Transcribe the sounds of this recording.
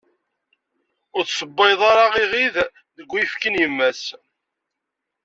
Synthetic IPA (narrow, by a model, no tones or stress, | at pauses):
ʊɾθsəbːɑjðˤɑɾɑʁiʁið | ðəɡʷːifkənjəmːæs